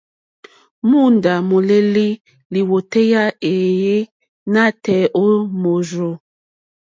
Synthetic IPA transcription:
mu˦˨nda˨mo˨le˦li˦ | li˨wo˨te˦ja˦e˨je˦ | na˦˨tɛ˨ʔo˦mo˨zo˨

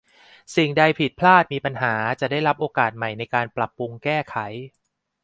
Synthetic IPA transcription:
si˨˩ŋda˧jpʰi˨˩t̪̚pʰlaː˥˩t̪̚miː˧pa˧nɦaː˩˦t͡ɕa˨˩daː˥˩jɾa˦˥pʔoː˧kaː˨˩t̪̚ma˨˩jna˧jkaː˧npɾa˨˩pːu˧ŋkɛː˥˩kʰa˩˦j

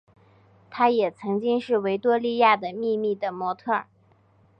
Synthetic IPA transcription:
t̪ʰa˥jɛ˨˩t͡sʰɤ˧˥ŋt͡ɕi˥ŋʂɻ̩˥˩we˧˥ɪt̪wɔ˥li˥˧ja˥˩d̪ə˩mi˥˧mi˥˩d̪ə˩mwɔ˧˥t̪ʰɤ˥˩

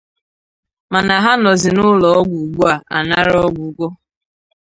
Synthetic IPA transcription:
ma˨na˨ɦa˦nɔ˨zɪ˨nʊ˦lɔ˨ɔ˦ɡʷu˨ɡu˦a˨a̰˨na˦ɾɔ˦ɡʷu˨˦˨ɡʷɔ˦

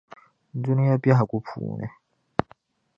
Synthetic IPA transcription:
n̩˦˨d͡zu˦nu˦ja˦bja˦ɦa˨kʼu˦pʰṵː˨nɛ̰˨

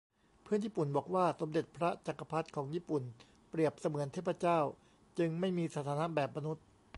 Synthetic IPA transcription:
pʰɯ˥˩ənjiː˥˩pu˨˩nbɔː˨˩k̚waː˥˩so˩˦mde˨˩t̪̚pʰɾa˦˥t͡ɕa˨˩kːa˧pʰa˦˥t̪̚kʰɔː˩˦ŋjiː˥˩pu˨˩n | pɾi˨˩əp̚sa˧mɯ˨˩˦nt̪ʰeː˥˩pʰːa˧t͡ɕaː˥˩w | t͡ɕɯ˧ŋma˥˩jmiː˧sa˧˥t̪ʰaː˧˦na˦˥bɛː˨˩p̚ma˧nu˦˥t̪̚

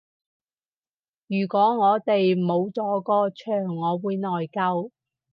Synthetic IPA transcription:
jyː˨˩kʷɔː˨˥ŋɔː˨˧t̪e˨jmo˨˧wt͡sɔː˨˥kɔː˧t͡ʃʰœː˨˩ŋːɔː˨˧wuː˨˧jnɔː˨jkɐ˧w

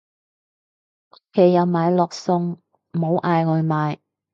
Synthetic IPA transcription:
kʰe˨˩jːɐ˨˧wmaː˨˧jlɔː˨k̚sʊ˧ŋ | m̩˨ho˨˧wʔaː˨˧jkɵ˨˧ɥmaː˨˧j

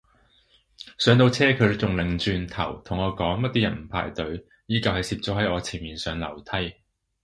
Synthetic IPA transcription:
sœː˨˥ŋt̪o˧wt͡sʰɛː˥kʰɵ˨˧ɥt͡sʊ˨ŋlɪ˨˩ŋt͡ʃyː˨˧nt̪ʰɐ̰˨˩wt̪ʰʊ˨˩ŋɔː˨˧kɔː˨˥ŋmɐ˥t̪̚iː˥jɐ˨˩nm̩˨˩pʰa̰ː˨˩jt̪ɵ˨˥ɥ | jiː˨˥kɐ˨˧whɐ˨jsiː˧p̚t͡sɔː˨˥hɐ˨˥jɔː˨˧t͡sʰiː˨˩nmiː˨nsœː˨˧ŋlɐ̰˨˩wt̪ʰɐ˥j

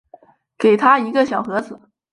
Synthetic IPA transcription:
ke˨˩ɪt̪ʰa˥i˧˥ɡə˧ɕjɑ˨˩ʊxɤ˧˥d͡zɹ̩˨˩˦

